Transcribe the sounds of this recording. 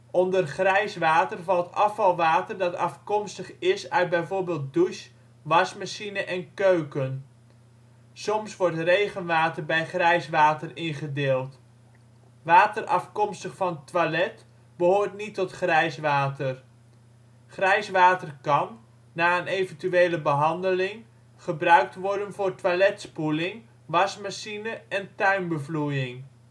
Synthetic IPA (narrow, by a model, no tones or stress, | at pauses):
ɔndərχrɛjsʋaːtərvɑlˠtɑfɑlˠʋaːtərdɑtɑfkɔmstəχɪsœɥd̚bɛjvoːɹbeːlˠt̚duʃ | ʋɑsmaʃinəʔɛnkøɥkən | sɔmsʋɔɹtrejχənʋaːtərbɛjχrɛjsʋaːtərɪnχədɪːlˠt | ʋaːtərʔɑ̰fkɔmstəχfɑntʋalɛt | b̥əɦoːɹtnitːɔtχrɛjsʋaːtər | χrɛjsʋaːtərkɑnː | aːənejvəntyejləbəɦɑndəlɪŋ | χəbrœɥk̚tʋɔɹdənvʊːrtʋalɛtspulɪŋ | ʋɑsmaʃinəɛntœɥmbəvlujɪŋ